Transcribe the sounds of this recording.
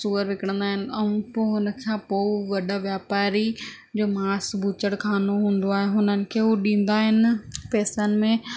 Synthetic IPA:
suːəɾʋɪkəɽə̃nd̪aːɦɪnɪ̆ɐũpoɦʊnə̆kʰãpoʋɐɗaʋjaːpaːɾi | d͡ʑoːmaːsbʱuːt͡ɕəɽkʰaːnoɦũːn̆d̪oaːɦeɦʊnənɪ̆kʰeːɦuɗĩːn̆d̪aːɦɪnɪ̆pɛːsənɪ̆mẽ

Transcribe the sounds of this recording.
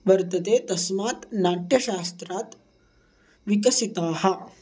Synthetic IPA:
ʋɐɾt̪ət̪et̪ɐsmaːt̪naʈjɐɕast̪ɾat̪ | ʋikɐsit̪aːha

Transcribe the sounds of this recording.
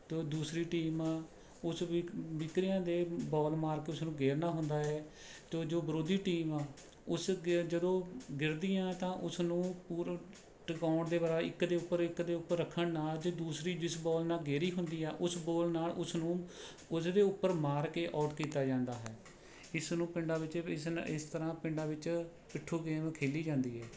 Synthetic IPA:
t̪oːd̪uːsɾiːʈiːmãː | ʊsʋɪkɾɪjãːd̪eːbɔːlmaːɾkeːʊsnũːɡeːɾnaːɦʊnd̪aːɦɛːt̪oːd͡ʒoːbəɾoːd̪iːʈiːmãː | ʊsd͡ʒəd̪õːɡɪɾd̪iːãːt̪ãːʔʊsnũːpuːɾ | ʈkaːɳd̪eːbəɾaːɪkd̪eːʊpːəɾɪkd̪eːʊpːəɾːəkʰːəɳnaːld͡ʒoːd̪uːsɾiːd͡ʒɪsbɔːlnaːlɡeːɾiːɦʊnd̪iːɛːʔʊsboːlnaːlʊsnũː | ʊsd̪eːʊpːəɾmaːɾkeːʔaːʈkiːt̪aːd͡ʒãːnd̪aːɦɛː | ɪsnũːpɪɳɖaːʋɪt͡ʃɪsɪst̪əɾãːpɪ̃ɳɖaːʋɪt͡ʃ | pɪʈʰːuːɡeːmkʰeːliːd͡ʒãːnd̪iːɦɛː

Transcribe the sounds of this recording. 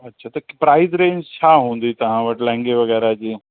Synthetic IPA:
ɐːʃʰat̪ɐpɾaːɪzɾẽːnt͡ɕʰaːɦũːnd̪it̪ɐɦãʋəʈlɛ̃ŋɡeʋɐɣɛːɾad͡ʑeː

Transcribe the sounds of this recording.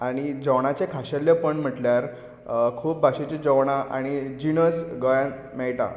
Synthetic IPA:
aɽ̃id͡zəwɳ̃at͡ɕekʰaɕəljəpəɳm̤əʈljaɾ | kʰuːp̚bʱaɕet͡ɕed͡zəʋɳaʔaɽ̃id͡ʑinəsɡəjãn | mɛɭʈa̰

